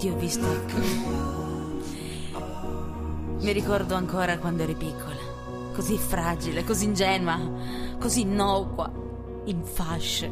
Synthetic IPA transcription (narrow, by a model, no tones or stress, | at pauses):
t̪iɔvːist̪okː | miɾikɔrd̪oaŋkoːɾakwand̪oɛɾɛpikʰːole | kozifɾaːd͡ʒilekoziːnd͡ʒɛːnakozinːɔkwa̰ | iɱfaʃː